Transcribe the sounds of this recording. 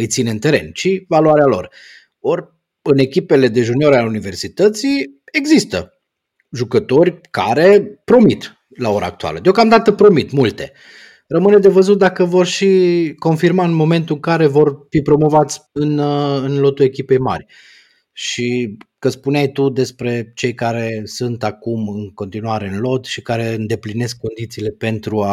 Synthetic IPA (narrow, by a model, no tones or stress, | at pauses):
ɨjt̪sineɨnt̪e̞ɾe̞̰nt͡ʃivaluaɾealo̞̰r | orʲ | ɨne̞kʲipele̞d̪e̞ʒuneo̞ɾalunive̞rsit̪ət̪sie̞ɡzist̪ə̰ | ʒukət̪o̞rʲka̰ɾe̞pɾo̞mit̪ | lao̞ɾa̰ːk̚t̪ua̰lə̰d̪eo̞kamd̪at̪əpɾo̞mit̪mult̪e̞̰ | rəmɨned̪e̞vəzut̪̚d̪akəvo̞rʃiko̞nfirmaɨnmo̞me̞nt̪uɨŋkaɾe̞vo̞rfipɾo̞mo̞vat̪sʲɨnɨnlo̞t̪ue̞kʲipe̞jma̰rʲ | ʃikəspuneajt̪ud̪e̞spɾe̞t͡ʃe̞jkaɾe̞sunt̪akumɨŋko̞nt̪inuaɾe̞ɨnlo̞t̪ʃikaɾe̞ɨnd̪e̞pline̞skːo̞nd̪it̪siːle̞pe̞nt̪ɾua